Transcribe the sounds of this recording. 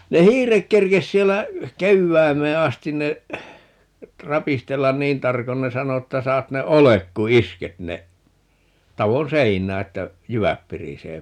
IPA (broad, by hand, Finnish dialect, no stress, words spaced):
ne hiːrek kerkes sielːæ keʋːæimeː ɑstin ne rɑpistelːɑn niːn tɑrkon ne sɑno etːæ sɑːt ne olek ku isket ne tɑʋon seinˑæː etːæ jyʋæp piriseː